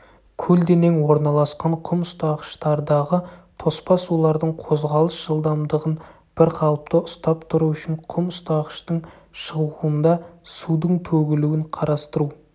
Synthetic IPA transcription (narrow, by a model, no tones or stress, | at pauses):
kʲʰɵld̪eneŋwo̞ɾnɑlˠɑsqɑɴqʰʊmʊst̪ɑqə̥ʃt̪ɑɾd̪ɑʁət̪ʰo̞spɑsulˠɑɾd̪əɴqʰo̞zʁɑlˠəsʒ̥əlˠd̪ɑmd̪əʁən | b̥ɪɾqʰɑlˠəp̚t̪əʔʊst̪ɑpt̪ʰʊɾuʏʃɪɴqʰʊmʊst̪ɑqəʃt̪əɴ | ʃəʁuənd̪ɑsud̪əɴt̪ʰɵɡʲɪluwɪɴqʰɑɾɑst̪əɾu